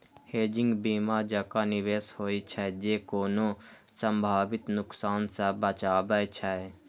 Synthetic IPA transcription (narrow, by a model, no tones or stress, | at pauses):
heːd͡ʒɪ̃ŋɡbiːmad͡ʒəkanɪʋeːshoːit͡ʃʰɛd͡ʒeːkoːnosə̃mbʱaːbɪt̪nʊksaːnsɛbət͡ʃaːbət͡ʃʰɛ